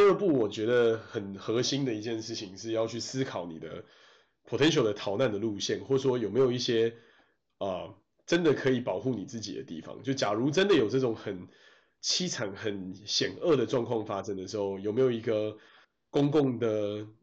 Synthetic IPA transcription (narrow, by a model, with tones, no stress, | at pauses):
ə˞˥˧pu˥˩wɔ˨˩t͡ɕɥɛ˧˥d̪ə˨xə˨˩nxɤ˧˦ɕi˦nd̪ə˨i˧˥t͡ɕjɛ˥˧nʂɻ̩˥˩t͡ɕʰi˨˩ŋʂɻ̩˥˧jɑ˥˧ʊt͡ɕʰy˥˩sɹ̩˥kʰɑ˨˦ʊni˨˩d̪ə̰˦ | pʰo˨˩ɛ˧˦nɕjo˨˩ʊd̪ə˦t̪ʰɑ˨˩ʊna˥˩nd̪ə˩lu˥˧ɕjɛ˥˩nxwɔ˥˩ʂwɔ˥jo˨˩me˧˥ɪjo˨˩ʊi˥˩ɕjɛ˥ | ə˩ | ʈ͡ʂə˦nd̪ə˨kʰɤ˧˦˥i˨˩pɑ˨˩ʊxu˥˩ni˨˩t͡sɹ̩˥˩t͡ɕḭ˨˩d̪ə̰˦t̪ḭ˥˩fɑ̰˨˦ŋt͡ɕjo˥˧˩t͡ɕja˨˩ɻu˧˦ʈ͡ʂə˦nd̪ə˨jo˨˩ʈ͡ʂə˥˩ʈ͡ʂʊ˨˦ŋxə˨˩n | t͡ɕʰi˥ʈ͡ʂʰa˨˩˦nxə˨˦nɕjɛ˨˩nə˥˩d̪ə˩ʈ͡ʂwɑ˥˧ŋkʰwɑ˥˩ŋfa˥ʂə˥nd̪ə˨˩ʂɻ̩˧˥xo˥˩ʊjo˨˩ʊme˧˥jo˨˩i˧˥ɡə˧ | kʊ˥ŋkʊ˥˩ŋd̪ə˩